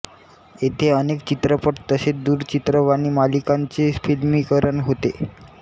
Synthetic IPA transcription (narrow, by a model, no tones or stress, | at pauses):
et̪ʰeənekt͡ɕit̪ɾəpəʈt̪əsed̪uːɾt͡ɕit̪ɾəʋaɽ̃iːmalikaɲt͡sefilmiːkəɾəɳɦot̪ḛ